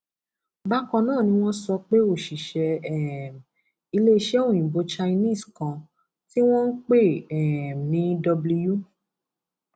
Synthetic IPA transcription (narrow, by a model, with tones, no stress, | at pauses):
ba˦kɔ̃˧nãː˦˨nĩ˧w̃ɔ̃˦sɔ˧k͡pe˦o˦˨ʃi˨ʃɛ˧ɛ˦˨ | i˧le˦i˦˧ʃɛ˦o˦˨j̃ĩ˨bo˨˧t͡ʃa˧i˧nĩ˦˨skã˧ | ti˦w̃ɔ̃˦n̩˦k͡pe˦˨ɛ˨mĩ˨˦dɔ˧blu˧ju˦˨